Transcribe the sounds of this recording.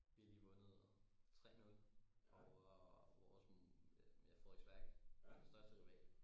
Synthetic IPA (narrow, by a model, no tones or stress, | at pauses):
ʋ̥iɐliːʋɔ̽nð̩ˠ | t͡sʰʁɛ̰ːnolɒʋɒs | jɑ̈ɪfɒ̰i̥sʋ̥æɐɡ̥̩ˠd̥esd̥ɶɐsd̥əb̥ʰʁiʋɛ̰ːl̥ə